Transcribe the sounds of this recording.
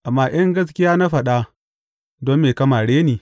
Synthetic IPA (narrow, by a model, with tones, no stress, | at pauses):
ʔa˨mːaː˦j̰ɐ˦ŋɡɐ˦s̬kʲɪ˦jaː˦na˦ɸɐ˨ɗa˦ | dɔ˦mːeː˨kɐ˦maː˨ɽeː˦niː˨